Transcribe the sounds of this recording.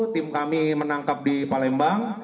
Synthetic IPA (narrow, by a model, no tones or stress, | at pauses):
t̪ɪmkamimənaŋkap̚dipalɛmbaŋ